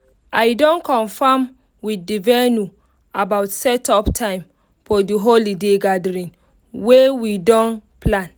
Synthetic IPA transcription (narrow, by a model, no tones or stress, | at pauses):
ajdɔ̃nkɔ̃nfam | widːivɛnu | abaʊtsɛtɔptʰãɪ̃m | fɔdiɦolideɡadɾĩn | wewidɔ̃npʰlãn